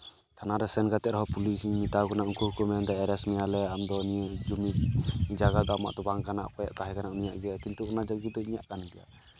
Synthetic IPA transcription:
t̪ʰanaɾɛsɛnɡat̪ɛt̪̚ɾɔɦɔpulismit̪aɡɔnaʔuŋkuɾkɔmɛnd̪ɔɛɾɛsmɛjalɛamd̪ɔnid͡ʒumid͡ʒaɡad̪ɔama̰ʔt̪ɔbaŋkanaʔkɔja̰ʔt̪aɦɛkanaunijaʔɡɛjakint̪uɔnad͡ʒaɡid̪ɔiɲaʔkanɡɛja̰

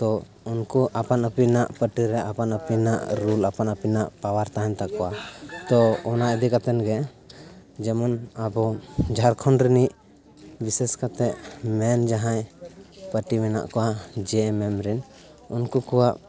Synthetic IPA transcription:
t̪ɔ | unkuʔapanəpinaʔpəʈiɾɛʔapanəpinaʔɾulapanəpinaʔpawaɾt̪aɦaɲt̪aʔkɔwat̪ɔɔnaʔid̪ikat̪ɛnɡɛ | d͡ʒɛmɔnabɔd͡ʒʱaɾkʰɔnɾɛniʔ | bisɛskat̪ɛʔmɛnd͡ʒaɦãjpəʈimɛna̰ʔkɔwad͡ʒɛmɛmɾɛn | unkukɔwaʔ

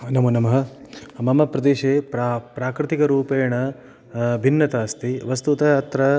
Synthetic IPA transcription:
nɐmunɐmɐɦɐ̆mɐmɐpɾɐd̪eːʃeːppɾaːkɾɪt̪ikɐɾuːpeːɳɐ | bʱinːɐt̪aːst̪iʋɐst̪ut̪ɐaːt̪ɾɐ

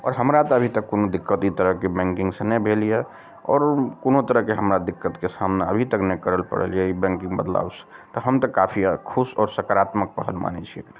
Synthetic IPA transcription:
ɔ̰ːɾɦəmɾat̪ɔəbʱit̪əkːonod̪ikːət̪it̪əɾəɦkebɛ̃ŋkɪ̃ŋɡsenɛbʱelije | ɔ̰ːɾkonot̪əɾəɦkeɦəmɾad̪ikːət̪kesamneə̰bʱit̪əknɛkəɾəlpə̰ɽə̰lijɛibɛ̃ŋkɪ̃ŋɡbəd̪la̰ːwse̥t̪ɔɦəmt̪əkapʰikʰusɔːɾsəkaɾat̪mək̚pəɦəlma̰nɛ̰t͡ʃʰiɛ̰

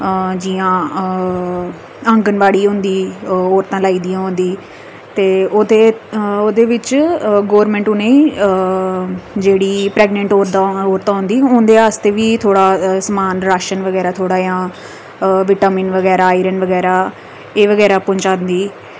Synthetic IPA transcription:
d͡ʒijãː | əŋɡənʋaːɽiːɦʊ̃nd̪iːoːɾt̪ãːlaːiːd̪ijãːɦʊ̃nd̪iː | t̪eːod̪eːoːd̪eːʋɪt͡ʃɡoːʋəɾmɛ̃ːɳʈʊnẽːiː | d͡ʒeːɽiːpɾɛːɡnə̃ɳʈoːɾd̪aoːɾt̪ãːɦʊ̃nd̪iːʊnd̪eːaːst̪eːʋiːt̪ʰoːɽaːsəmaːnɾaːʃənʋəɡɛːɾaːt̪ʰoːɽaːjãː | ʋɪʈaːmiːnʋəɡɛːɾaːiːɾənʋəɡɛːɾaː | eːʋəɡɛːɾaːpʊ̃ɲt͡ʃaːnd̪iː

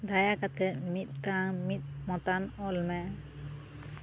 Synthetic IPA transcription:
d̪ajakat̪ɛmit̪̚ˀʈaŋmit̪̚ˀmɔt̪anɔlmɛ

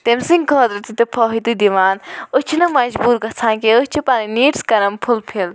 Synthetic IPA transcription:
t̪emsiŋɡkʰoːd̪ɾɨt̪it̪ɨpʰoɦit̪ɨd̪iʋaːnut͡ʃʰinɐmɐd͡ʒbuːɾɡɐt͡sʰãːkeut͡ʃʰipɐniniːʈskɐɾɐmpʰulpʰil

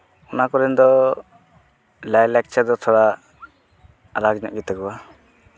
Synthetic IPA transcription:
unakɔɾɛnd̪ɔ | lajlɛk̚t͡ʃʰaɾd̪ɔt̪ʰɔɾa | aɾaɡɲa̰ʔɡɛt̪aɡuwa

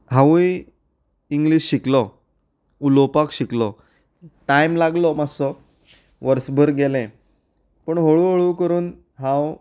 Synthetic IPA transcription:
ɦãʋuj | iŋɡliɕːiklɔ | ulopakɕiklɔ | ʈajmlaɡlɔmasɔ | ʋəɾsbʱəɾɡelɛ̃ | pəɳɦoɭuɦoɭuːkəɾuːn | ɦãw

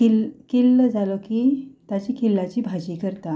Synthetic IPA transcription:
ilkelːəd͡zalokiːt̪at͡ɕikilːat͡ɕiːbʱad͡ʑiːkəɾt̪a

